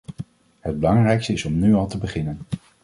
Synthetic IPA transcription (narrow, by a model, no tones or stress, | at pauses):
ɦəd̚bəlɑŋrɛjkstəɪsɔmnyɑlˠtəbəχɪnən